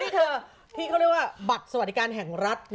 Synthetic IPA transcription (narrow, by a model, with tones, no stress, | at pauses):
t̪ʰi˥˩kʰa˥˩ɾi˥˩kwaː˥˩ba˨˩t̪̚sa˧wa˩˦˥kaː˧nɦɛ˨˩ŋɾa˦˥t̪̚n